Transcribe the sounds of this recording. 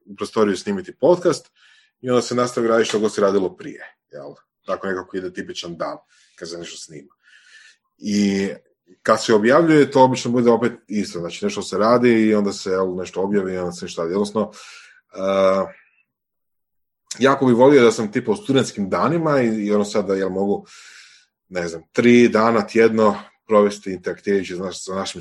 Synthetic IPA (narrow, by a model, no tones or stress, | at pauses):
upɾost̪o̞ɾijusniːmit̪ipo̞t̪kast̪ | io̞nd̪asenast̪aʋiɾaːd̪iʃt̪oɡosiɾaːd̪ilopɾḭjejḛl | t̪akone̞kakoid̪et̪ipit͡ʃand̪aːn | kad̪seneʃt̪osniːma | i | kad̪seobjaʋʎujet̪oobit͡ʃnobud̪eo̞pet̪ist̪oznaːt͡ʃine̞ʃt̪oseɾaːd̪iːo̞nd̪asejelne̞ʃt̪oo̞bjaːʋio̞nd̪asene̞ʃt̪oɾad̪io̞d̪nosno̞ | ə | jaːko̞bixʋo̞liod̪asamt̪ipaust̪ud̪e̞nt̪skimd̪aːnimaiːonosad̪d̪ajelmo̞ɡu | neznamt̪ɾiːd̪aːnat̪jed̪no̞pɾo̞ʋe̞st̪iint̪eɾakt̪iːɾajut͡ʃisasanaʃim